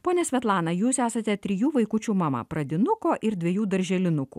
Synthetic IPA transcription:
poːnʲɛsʲʋʲɛt̪lˠɑːnɐjuːsæːsɐt̪ʲɛt̪ʲɾʲɪjuːʋɐɪkʊt͡ʃʲuːmɑmɐ̰pɾɐd̪ʲɪnʊkoːʔɪɾd̪ʲʋʲɛjuːd̪ɐɾʲʒʲɛlʲɪnʊkṵː

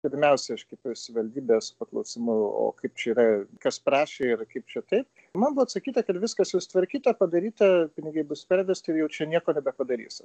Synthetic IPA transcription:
pʲɪɾʲmʲɛʊsʲɛɐʃkʲɐpsʲʋɐlʲd̪ʲiːbʲeːspɐklˠɐʊsɪmʊo̰ːkɐɪp̚t͡ʃʲɛiːɾɐkɐspɾɑːʃʲeɪrkɐɪp̚t͡ʃʲɛt̪ɐɪp̚ | mɐnbʊʋɐt̪sɐkʲiːt̪ɐkɐt̪ʋʲɪskɐsjɛʊst̪ʋɐɾʲkʲiːt̪ɐpɐd̪ɐɾʲiːt̪ɐpʲɪnʲɪɡɐɪbʊspʲɛɾʲʋʲɛsʲt̪ʲɪɾjɛʊt͡ʃʲɛnʲiɛkoːnʲɛbʲɛpɐd̪ɐɾʲḭːs

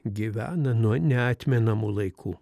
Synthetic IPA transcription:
ɡʲiʋʲæ̰ːnɐnuɔnʲɛɑːt̪ʲmʲɛnɐmuːlˠɐɪkʰuː

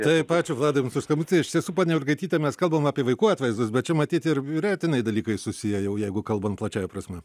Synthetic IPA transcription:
t̪ɐɪpɑːt͡ʃʲʊʋlˠɑːd̪ɐnsʊʃskɐmut͡sʲeːɪʃɪʃt̪ʲiɛsuːpɑːnʲɛʊʒɡɐɪt̪ʲiːt̪ʲɛmʲɛskɐlˠbɐmɑːpʲiɛʋɐɪkuːɑːt̪ʲʋɐɪzd̪ʊs̬bʲɛt̚t͡ʃʲɛmɐt̪ʲiːt̪ɪrʲiɾʲɛt̪ʲɪnɐɪd̪ɐlʲiːkɐɪsʊsʲɪjɛjɛʊjɛɪɡʊkɐlˠbɐnplˠɐt͡ʃʲɛːjɛpɾɐsʲmʲɛ

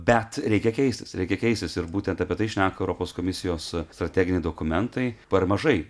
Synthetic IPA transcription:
bʲɛt̪ɾʲɛɪkʲɛkʲɛɪsʲt̪ʲɪ̥sɾʲɛɪkʲɛkʲɛɪsʲt̪ʲɪsɪɾbuːt̪ʲɛnt̪ɐpʲiɛt̪ɐɪʃʲnʲæːkɐɛʊɾoːpoːskoːmʲɪsʲɪjoːsst̪ɾɐt̪ʲæːɡʲɪnʲɛɪd̪oːkʊmʲɛnt̪ɐɪpɐrmɐʒɐɪ

